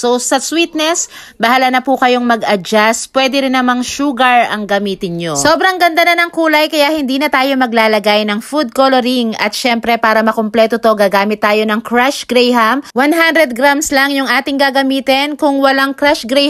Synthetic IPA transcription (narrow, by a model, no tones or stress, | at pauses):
sosɐswit̪nɛs | bɐhalɐnɐpukɐjo̞ŋmɐɡɐd͡ʒaspwɛd̪ɛɾɪnːɐmaŋʃuːɡɐɹʔɐ̰ŋɡɐmiːt̪ɪnɲoso̞ːbɾɐŋɡɐnd̪ɐnɐnɐŋkuːlɐjkɐjaʔhɪnd̪iːnɐt̪aːjo̞mɐɡ̚laːlɐɡajnɐŋfud̪̚kolɛɾiŋɐt̪̚ʃɛmpɾɛpaːɾɐmɐkomplɛːt̪ot̪oɡaːɡaːmɪt̪ːaːjo̞nɐŋkɾaʃɡɾɛjɦɐmwanɦand̪ɾɛd̪̚ɡɾamslɐŋjʊŋʔaːt̪ɪŋɡaɡɐmiːt̪ɛnkʊŋwɐlaŋkɾaʃɡɾɛ